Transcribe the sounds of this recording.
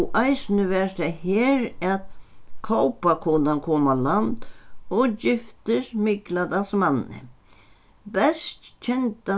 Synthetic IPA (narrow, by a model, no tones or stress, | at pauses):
ʔajsnəʋɛːɹt̪ɛhɛːɾæt̪kʰowpakʰʊnankʰoːmaland̪ɔd͡ʒɪft̪ɪsmɪklad̪asmanːɪ̰ | bɛst̪t͡ʃʰɛnt̪a